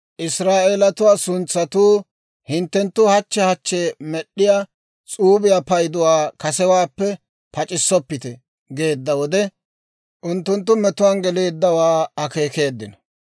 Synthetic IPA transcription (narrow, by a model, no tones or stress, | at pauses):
ʔɪsɾaːʔeːlɐt̪ʊwaːsʊnt͡sːɐt̪uː | hɪnt̪ːɛnt̪ːʊhɐt͡ʃːɛhɐt͡ʃːemɛɗːɪjaː | t͡sʼuːbɪjapɐjd̪ʊwaːkɐsɛwaːpːɛ | pɐt͡ʃʼɪsːɔpːɪt̪ɛ | ɡe̞ːd̪ːɐwɔd̪ɛ | ʔʊnt̪ːʊnt̪ːʊmɛt̪ʊwanɡɛle̞ːd̪ːɐwaːɐke̞ːke̞ːd̪ːɪnɐ